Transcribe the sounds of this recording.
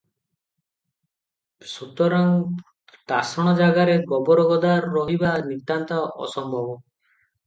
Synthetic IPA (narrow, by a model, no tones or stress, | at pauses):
sut̪ɔɾaŋ | t̪asɔɽ̃ɔd͡ʒaɡaɾeɡɔbɔɾɔɡɔd̪aɾːɔɦibanit̪ant̪aʔɔ̰sɔmbʱɔbɔ